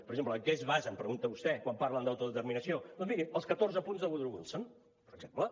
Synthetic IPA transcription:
pəɾəɡʒempləkɛzβazəmpɾəɣunt̪əβust̪ɛkwampaɾlənd̪awt̪uðət̪əɾminəsioəfiɣiəlˠskət̪orzəpunzðəβuðɾuɣunsəm | pəɾəɡz̥emplə

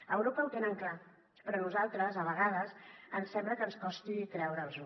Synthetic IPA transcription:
əwɾopəwt̪enəŋkla | pɾɔnuzalˠt̪ɾəzəβ̞əɣaðəzənsɛmbləkənskɔst̪it̪ɾɛwɾəːlˠzu

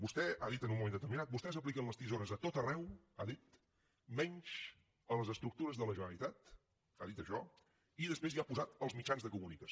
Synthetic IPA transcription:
bust̪ɛaðit̪ənumːumẽnd̪ət̪əɾminat̪̚bust̪ɛzəplikənləst̪izoɾəzðət̪ot̪ərɛw | aðit̪ | mɛɲʲʃ | ələzəst̪ɾuk̚t̪uɾəzðələʒənəlit̪at̪ | aðit̪əʃɔ | iðəspɾeziapuzat̪əlˠzmit͡ʃanzðəkumunikə

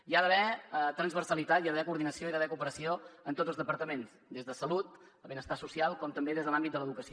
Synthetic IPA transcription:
iaðəβɛt̪ɾənzβərsəlit̪at̪jaðəβɛkuɾðinəsioiðəβɛkupəɾəsioənt̪otd͡zəlzðəpəɾt̪əmens | d̪ezðəsəlut̪ | əβenəst̪asusialˠkɔmt̪əmbeðezðəlambit̪d̪ələðukəsi

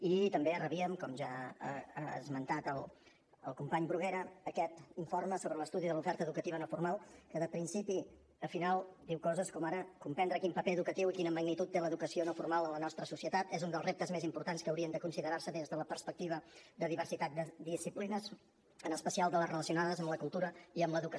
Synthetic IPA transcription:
it̪əmberəβiəmkɔmʒa̰ | zmənt̪at̪əlˠ | əlˠkumpaɲbɾuɣeɾəːkɛt̪iɱforməsoβɾələst̪uðiðəlufɛɾt̪əːðukət̪iβənəfurmalˠkəðəpɾinsipi | əfinalˠd̪iwkɔzəskɔmaɾəkumpɛnd̪ɾəkimpəpeəðukət̪iwikinəməɡnit̪ut̪ːeləðukəsionəfurmalˠələnɔst̪ɾəsusiət̪at̪ɛzund̪əlˠzrep̚t̪əzmezimpuɾt̪anskəːwɾiənd̪əkunsiðəɾarsəðinzðələpərspək̚t̪iβ̞əd̪əðiβ̞ərsit̪at̪̚d̪əd̪isiplinəz | ənəspəsialˠd̪ələzrələsiunaðəzəmləkulˠt̪uɾəiəmləðuk

